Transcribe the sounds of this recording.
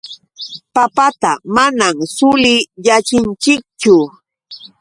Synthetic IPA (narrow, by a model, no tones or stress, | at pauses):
papat̪amanamsʊlɪjat͡ʃɪnt͡ʃɪk̚t͡ʃʊ